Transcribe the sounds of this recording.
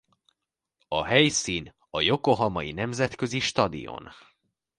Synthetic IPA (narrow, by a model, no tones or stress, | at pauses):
ɒɦɛjsiːn | ɒjo̞koɦɒmɒjinɛmzɛt̪kø̞ziʃt̪ɒd̪ḭjo̰n